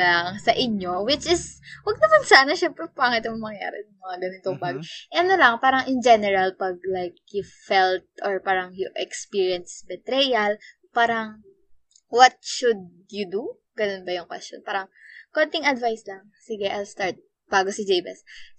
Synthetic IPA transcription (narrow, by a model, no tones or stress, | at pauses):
ɐŋsɐʔɪɲːo̞wɪt͡ʃɪswɐɡ̚nɐmansaːnɐʃɛmpɾɛpaŋɪt̪ɐmmɐŋja̰ːɾɛ̰nɐŋmɐŋaɡɐnɪt̪oŋbaːɡʔɛɐnolɐŋpaːɾɐŋʔɪnd͡ʒɛnɛɾɐlpɐɡ̚lajk̚jʊfɛlt̪̚ʔɔɹpaːɾɐŋjʊʔɛkspiɹjɐnsbɛt̪ɾɛjɐl | paːɾɐŋ | wɐt̪̚ʃʊd̪̚ | jʊd̪u | ɡ̥ɐnonbɐjʊŋkwɛ̰st͡ʃo̰npaːɾɐŋkont̪ɪŋɐd̪vajslɐŋ | sɪɡɛʔajlst̪aɹt̪̚ | b̥aːɡosɪd͡ʒejbɛ̰s